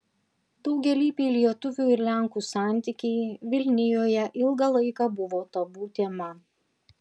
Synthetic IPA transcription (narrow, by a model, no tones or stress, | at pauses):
d̪̥ɒʊɡʲɛlʲiːpʲeːlʲiɛt̪ʊʋʲuːɪɾlʲæˑŋkuːsɑˑnʲt̪ʲikʲɛɪʋʲɪlʲnʲɪjoːjɛʔɪlˠɡɐlˠɐɪkɑbʊʋoːt̪ɐbuːt̪ʲeːmɐ